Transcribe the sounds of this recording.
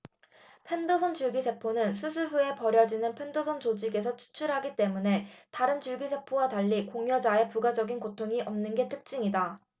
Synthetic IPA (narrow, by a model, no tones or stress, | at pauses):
pʰe̞ndosʰʌnt͡ɕuɭɡisʰe̞pʰonɯnsʰusʰuɸue̞pʌɾjʌd͡ʑinɯnpʰe̞ndosʰʌnt͡ɕod͡ʑiɡe̞s̬ʰʌt͡ɕʰu̥t͡ɕʰuɾɦaɡit͈e̞mune̞taɾɯnt͡ɕuɭɡisʰe̞pʰowataʎːikoŋjʌd͡ʑae̞puɡad͡ʑʌɡinkotʰoŋiʔʌmnɯnɡe̞tʰɯk̚t͡ɕ͈iŋida